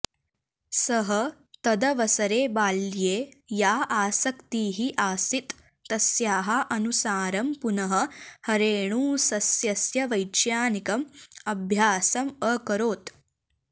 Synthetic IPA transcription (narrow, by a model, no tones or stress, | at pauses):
sɐɦɐ | t̪ɐd̪ɐʋɐsɐɾeːbaːljeːjaːaːsɐkt̪iːɦiʔaːsit̪ː | ɐsjaːɦɐʔɐnusaːɾɐmpunɐɦɐ̆hɐɾeːɳ̃ũːsɐsjɐsjɐʋɐjt͡ʃjaːnikɐmɐbʱjaːsɐmɐkɐɾoːt̪